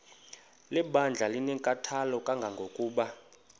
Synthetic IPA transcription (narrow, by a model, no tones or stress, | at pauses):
lɛɓand͡ɮʱalinɛŋkʼatʰalɔkʼaŋɡʱaŋɡʱokʼuːɓa